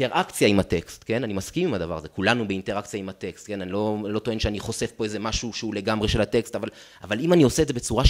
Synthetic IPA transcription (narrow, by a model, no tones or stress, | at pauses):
eʁʔakt͡sjaimhatekstke̞nanimaskimimhad̪avaʁazekulanubeinte̞ʁakt͡sjaimhate̞kst̚ke̞nanilo̞lo̞t̪o̞e̞nʃeaniχo̞sefpo̞eze̞maʃuʃeule̞ɡamʁe̞ʃe̞lhate̞kstaval | avalimanio̞sedze̞be̞t͡suʁa